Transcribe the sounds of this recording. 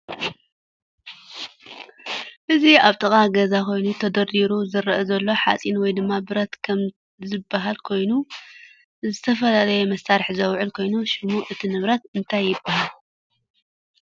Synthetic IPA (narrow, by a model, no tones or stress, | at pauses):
ʔɨziaβt̪ʼɐkʼaɡɐzakʰo̞jnut̪ʰɐd̪ɐɾiɾuzɨɾɐʔɐzɐlːo̞ħa̰t͡sʼinwɔjd̪ɨmːabɨɾɐt̪kʰɐm | zɨbːaɦalkʰo̞jnu | zɨt̪ʰɐfɐlalɐjɛmɐsaɾħzɐwʕʊlkʰo̞jnuʃɨmuʔɨt̪ʰinɨβɾɐt̪̚ɨnt̪ʰajːɪbːahal